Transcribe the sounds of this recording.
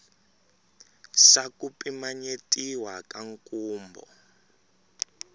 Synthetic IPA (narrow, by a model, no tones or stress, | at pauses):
sakupʼimaɲetʼiwakaŋkʼuːmbɔ̰